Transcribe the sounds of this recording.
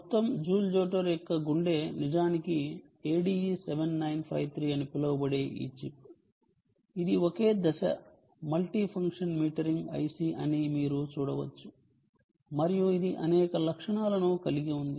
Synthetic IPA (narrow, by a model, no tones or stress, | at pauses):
mɔt̪ːɐmd͡ʒuːld͡ʒoːʈɐɾɔkːɐɡuɳɖe̞ːnid͡ʒaːniki | eːɖiːseʋenːɐjnpʰɾɐ̰jt̪ʰɾiːɐnipilowbɐɽeːʔḭːt͡ʃip̚ | id̪ioke̞ːd̪ɐʃɐ̰ | mɐlʈiːpʰɐŋkʂɐnmiːʈɐɾiŋɡɐ̰jsiʔɐnimiːɾut͡ʃuːɽɐʋɐt͡ʃːu̥ | mɐɾijuid̪iʔɐnɛːkɐlɐkʂɐɳaːlɐnuːkɐliɡiund̪i